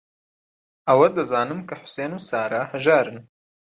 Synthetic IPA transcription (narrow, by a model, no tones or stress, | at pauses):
ʔɐwɐd̪ɐzaːnɨmkʰɐħʊ̥seːnuːsaːɾahɐʒaːɾɨn